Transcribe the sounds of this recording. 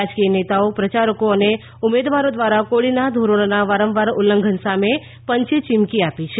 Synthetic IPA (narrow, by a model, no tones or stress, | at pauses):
ad͡ʒkijənet̪aopɾət͡ʃaɾəkoəne | umed̪ʋaɾod̪ʋaɾakoɭinad̪ʱoɾoɽ̃naʋaɾəmʋaɾulːəŋɡʱənsame | pəɲt͡ʃt͡ʃɪmkiapit͡ʃʰe